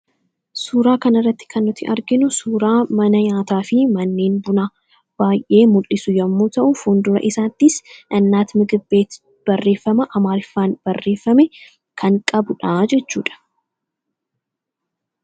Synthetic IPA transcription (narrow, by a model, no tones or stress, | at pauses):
suːɾaːkɐnɪrːɐt̪ːɪ̥kʰɐnːɔt̪ɪʔɐɾɡɪnʊsuːɾaːmɐnɐɲaːt̪aːfɪmɐnːe̞ːnbʊnaː | b̥aːjʔe̞ːmʊlːɪsʊjɐmːoːt̪ɐʔʊfund̪ʊɾɐ̰ʔɪsaːt̪ːɪsʔɐnːaːt̪mɪɡɪbːe̞ːt̪ | b̥ɐrːe̞ːfːɐmɐʔɐmaːɾɪfːaːnb̥ɐrːe̞ːfːɐmɛ | kʰɐŋkʼɐbʊᶑaːd͡ʒɛt͡ʃːuːᶑɐ̥